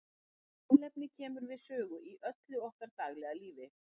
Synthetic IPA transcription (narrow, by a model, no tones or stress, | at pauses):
awlɛpnɪcʰɛːmʏɾvɪðsœːɣʏʔiʔœt̪lʏɔhkaɾt̪aːɣlɛɣaliːvɪ